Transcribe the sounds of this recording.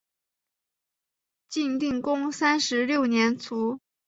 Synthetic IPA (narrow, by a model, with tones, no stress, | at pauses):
t͡ɕi˥˧nt̪i˥˩ŋkʊ˥ŋsa˥nʂɻ̩˧˥ljo˥˩ʊnjɛ˧˥nt͡sʰu˧˥